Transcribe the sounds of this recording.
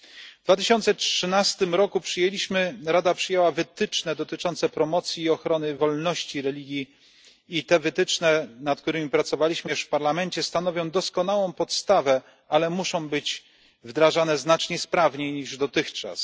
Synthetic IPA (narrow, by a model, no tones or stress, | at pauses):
vd̪vat̪ɘɕɔnt̪sɛtʂɘnast̪ɘmɾɔkupʂɘjelʲiɕmɘɾad̪apʂɘjɛwavɘt̪ɘt͡ʂnɛd̪ɔt̪ɘt͡ʂɔnt̪sɛpɾɔmɔt̪sʲjiːɔxɾɔnɘvɔlnɔɕt͡ɕiɾɛlʲiɡʲji | it̪ɛvɘt̪ɘt͡ʂnɛnat̪̚k̚t̪uɾɘmʲipɾat̪sɔvalʲiɕmɘɛʂfpaɾlamɛnt͡ɕɛst̪anɔvʲjɔ̃w̃d̪ɔskɔnawɔ̃w̃pɔt̪st̪avɛ | alɛmuʂɔ̃w̃bɘd͡ʑ | vd̪ɾaʐanɛznat͡ʂɲɛspɾavɲejɲiʐd̪ɔt̪ɘxt͡ʂa̰s